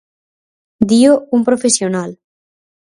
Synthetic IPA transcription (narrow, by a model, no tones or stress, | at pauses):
d̪ioumpɾofesjonal